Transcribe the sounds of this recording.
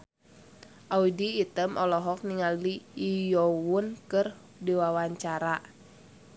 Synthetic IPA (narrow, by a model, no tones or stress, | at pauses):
ʔaudiːt̪əmʔɔlɔɦɔk̚niŋaliːjɔwunkɨr | diwawaɲt͡ʃaɾa